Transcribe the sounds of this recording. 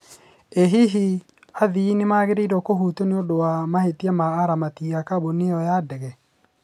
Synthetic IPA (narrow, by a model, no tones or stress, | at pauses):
eɦiɦi | aðiinɪmaɣeɾeɾɔkoɦutoneodowamahetiamaːɾamatiakaboneɔjadɛɣɛ